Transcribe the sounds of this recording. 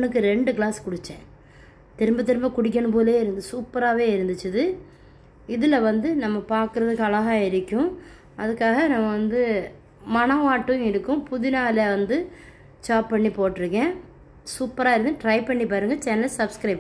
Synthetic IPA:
nɯkːɯɾɛɳɖɯkɪlaːskʊɽɪt͡ʃːɛ̃ː | t̪ɪɾɯmbɐt̪̬ɪɾɯmbɐkʊɽɪk̬ːɐɳɯp̬oːðleːɪɾɯnd̪ɯsuːpːɐɾaːʋeːɪɾɯnd̪ɯt͡ʃːɐðɯ | ɪðɪlɐʋɐnd̪ɯnɐmːɐpaːɾkɯɾɐðɯkːɐlɐɣaːɪɾɪkʲːʊ̃ | ɐðɯkːaːɣɐnɐmːɐʋɐnd̪ɯ | mɐnɐʋaːʈːɯ̃ɪɾɯkːʊ̃pʊðɪnaːleʋɐnd̪ɯ | t͡ʃaːpːpɐɳːipoːʈːɪɾɯkːẽː | suːpːɐɾaːɪɾɯnd̪ɯʈɾɐɪpɐɳːipaːɾɯŋɡɐt͡ʃɛnɐlsɐbskɾɐɪp

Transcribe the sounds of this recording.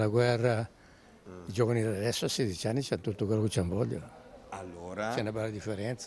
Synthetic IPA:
laɡwɛrːa | id͡ʒɔvanid̪adad̪ɛsːoasːed̪it͡ʃanːit͡ʃant̪ut̪ːokwɛlːoket͡ʃːambɔʎːa̰aloɾt͡ʃɛnːabalːad̪ifːɛɾɛnt̪s

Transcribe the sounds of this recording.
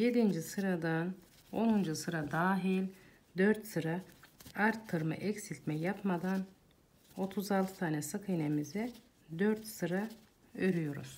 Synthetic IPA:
je̞d̪ind͡ʒisɯɾad̪an | o̞nund͡ʒusɯɾad̪aːɦilʲ | d̪øɾt̪sɯɾaaɾt̪ʰːɯɾmɯ̰ʔɛcsilʲt̪mɛjapmad̪an | o̞t̪ʰuzalˠt̪ʰɯ̥t̪ʰaːnɛsɯkʰɯjnemizɛ | d̪øɾt̪sɯɾa | øɾyjo̞ɾṵz̥

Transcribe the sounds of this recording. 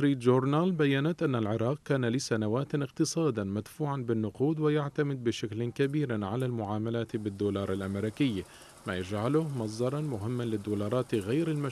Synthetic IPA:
ɾiːt̪d͡ʒuɾnalbajːanat̪ʔanːalʕɪɾˤɑːq̚kaːnalɪsanawaːt̪ɪqt̪ɨsˤɑːd̪amad̪fuːʕanbɪnːʊquːd̪wɪjaʕt̪amɪd̪̚bɪʃaklɪkabiːɾʕalalmʊʕaːmalaːt̪bɪd̪ːuːlɑːɾˤalʔamɾiːkɪjː | majad͡ʒʕalʊhmɑs̬ˤd̪ɑɾˤɑnmʊɦɪmːanlɪd̪ːuːlɑːɾˤɑːt̪ɣajɾɪlma

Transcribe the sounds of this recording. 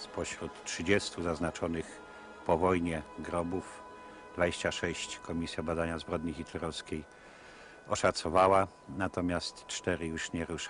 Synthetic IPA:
spɔɕɾut̪tʂɘd͡ʑɛst̪uzaznat͡ʂɔnɘx | pɔvɔjɲɛɡɾɔbuf | d̪vad͡ʑeɕt͡ɕaʂɛɕt͡ɕkʰɔmʲisʲjabad̪aɲazbɾɔd̪ɲixit̪lɛɾɔfskʲej | ɔʂat̪sɔvawa | nat̪ɔmʲjast̪t͡ʂt̪ɛɾɘjuʂɲɛɾuʂ

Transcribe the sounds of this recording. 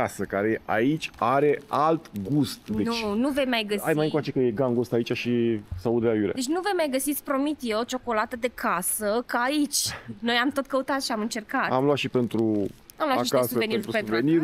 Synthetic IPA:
asəkaɾeʔa̰it͡ʃʲaɾe̞alt̪ɡust̪d̪eut͡ʃnuvejmajɡəsajmajɨ̃nkwat͡ʃe̞kəje̞ɡaŋɡust̪ait͡ʃaʃisaud̪d̪eajulḭj̰d̪et͡ʃʲnuve̞jmajɡəsit̪sʲpɾo̞mit̪jeot͡ʃo̞ko̞lat̪əd̪e̞kasəkaːit͡ʃʲno̞jamt̪o̞t̪̚kəut̪at̪ʃiamɨnt͡ʃe̞rkat̪amlwat̪ʃipe̞nt̪ɾu | amlwaiʃikasuvenit̪ɾupenuvɾeniɾ

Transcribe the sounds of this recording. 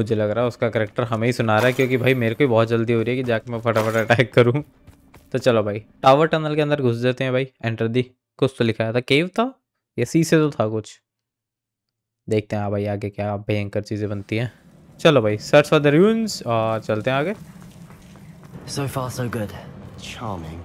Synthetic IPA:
mʊd͡ʒʱelɐɡɾaːɦɛʊskakɛɾeːk̚ʈəɾɦɐmẽɦisʊnaːɾaɦɛkjõːkibʱaːimeːɾekoibɔːt̪̚d͡ʒɐld̪iɦoːɾiɦɛkid͡ʒaːkemɛ̃fɐʈəfəʈɐʈɛːkːɐɾũ | t̪ot͡ʃɐlobʱaːiʈaːʋəɾʈɛnəlkeɐ̃nd̪əɾɡʱʊs̬d͡ʒaːt̪eɦɛ̃bʱaːiẽɳʈəɾd̪i | kʊst̪olɪkʰajaːt̪ʰakeːʋt̪ʰa | jasiːset̪ot̪ʰakʊt͡ʃʰ | d̪eːk̚ʰt̪eɦɛ̃aːbʱaːiaːɡekjaːbʱejɛ̃ŋkəɾt͡ʃiːzẽbɐnt̪iɦɛ̃ː | t͡ʃɐlobʱaːisɐɾsfəd̪ɐɾjuːnzɔːɾt͡ʃɐlt̪eɦɛ̃aːɡe | soʊfɑːsoʊɡʊd̥t͡ʃʰɑːmɪ̰̃ŋ

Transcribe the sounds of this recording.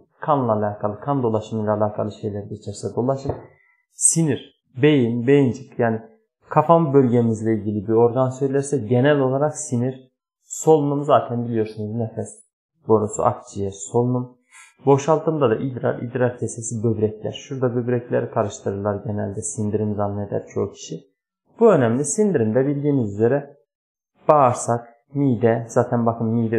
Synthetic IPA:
kʰanlˠaːlʲaːkʰalˠɯkʰand̪o̞lˠaʃɯmilʲalʲˠaːkʰa̰lˠɯʃe̞jlʲæɾidet͡ʃʰɛɾsɛd̪o̞lˠaʃɯm | siniɾ̥ | be̞jinbe̞jind͡ʒɯkjaːni | kʰafamɯbø̞lʲɟemizlʲɛilʲɟʲilʲibiɾo̞ɾɡansøjlʲæɾsɛɟenælʲo̞lˠaɾaksiniɾ̥ | so̞lˠunumzaːt̪ʰɛnbilʲijo̞ɾsunuznefɛs | bo̞ɾosṵʔa̰kt͡ʃʰijɛso̞lˠunum | bo̞ʃalˠt̪ʰɯmd̪ad̪aʔid̪ɾa̰ɾḭd̪ɾaɾcʰesesibøbɾɛcʰlʲæ̰ɾʃuɾd̪abø̞bɾɛclʲæɾik̪ʰaɾɯʃt̪ʰɯɾɯɾlˠaɾɟenælʲd̪ɛsind̪iɾinzanːɯned̪æ̰ɾt͡ʃʰo̞ːcʰi̥ʃi | b̥uø̞næmlʲisind̪iɾind̪ɛbilʲd̪iːmizyze̞ɾɛ | b̥aːɾsak | miːd̪ɛz̥aːt̪ʰænbakʰɯnmid̪ɛ

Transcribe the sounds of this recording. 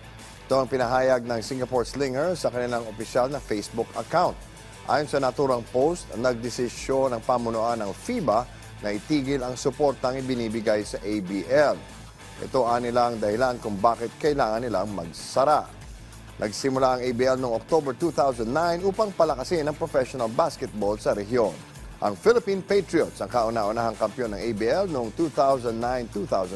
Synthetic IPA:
ʔʔɪt̪oɐŋpɪnɐɦaːjɐɡ̚nɐŋsiŋɡɐpoɹt̪slɪŋɛɹsɐkɐnɪlaŋopɪʃalnɐfejsbʊkɐkawnt̪̚ | ʔa̰ːjonsɐnɐt̪uːɾɐŋpost̪ɐnɐɡ̚d̪ɪsɪʃo̞nɐŋpamʊnʊʔanɐŋfiːbɐ | nɐʔɪt̪iːɡɪlɐŋsʊpo̞ɾt̪ɐŋɪbɪniːbɪɡajsɐʔejbiʔɛl | ʔɛ̰t̪o̞ʔanɪlaŋd̪ɐhɪlankʊŋbaːkɪt̪̚kɐɪlaːŋɐnːɪlaŋmɐ̰ɡ̚sɐɾaʔ | nʔɐɡsɪmʊlaɐŋejbiɛlnoŋok̚t̪obɛɹt̪uːθawsɐ̃nd̪najnʔuːpɐŋpɐlɐkɐsɪnɐŋpɾofɛʃonɐlbaskɛt̪̚bold̪sɐɾɛɦjo̞n | ʔɐŋfɪlɪpĩnpejt̪ɹiot̪sɐŋkaʔʊnaʔʊnaɦaŋkɐmpjo̞nːɐŋʔejbiːɛlnoŋt̪uːθawsɐnd̪nːajnt̪uθaws

